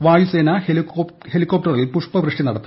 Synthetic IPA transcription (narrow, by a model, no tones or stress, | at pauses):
ʋaːjuse̞ːnɐhe | he̞likːop̚ʈɐrilpuʂpɐʋrɨʂʈinɐɽɐt̪ː